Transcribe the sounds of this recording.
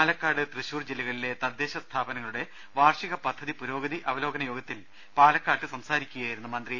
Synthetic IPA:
alɐkːaːɽɨt̪rɨɕuːrd͡ʑelːiɣɐɭile̞t̪ɐd̪ːe̞ːɕɐst̪ʰaːbɐnɐŋːɐɭuɽe̞ | ʋaːrʂiɣɐpɐd̪ʱːɐðipuɾo̞ːɡɐðiʔɐʋɐlo̞ːɡɐnɐjo̞ːɡɐt̪ːil | paːlɐkːaːʈːɨsɐmsaːɾikʲːuɣaːjiɾunːumɐnd̪ri

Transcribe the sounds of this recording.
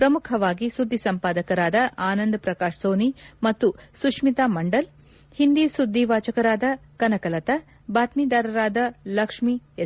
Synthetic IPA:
pɾɐmukʰɐʋaːɡisud̪ʱːisɐmpaːd̪ɐkɐɾaːd̪ɐʔaːnɐnd̪ɐpɾɐkaːʂsoːnimɐt̪ːusukʂmit̪aːmɐɳɖɐl | hind̪isud̪ʱːiʋaːt͡ʃɐkɐɾaːd̪ɐkɐnɐkɐlɐt̪ɐ | baːt̪mid̪aːɾɐɾaːd̪ɐlɐkʂmie

